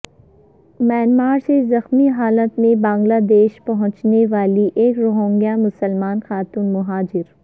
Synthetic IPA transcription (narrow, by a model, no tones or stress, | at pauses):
mɛːnmaːɾsezɐxmiɦaːlət̪mẽbãːŋɡlad̪eːʃpɐɦʊ̃t͡ʃneʋaːliʔeːkɾʊɦõːŋɡjamʊsəlmaːnxaːt̪uːnmʊɦaːd͡ʒɪɾ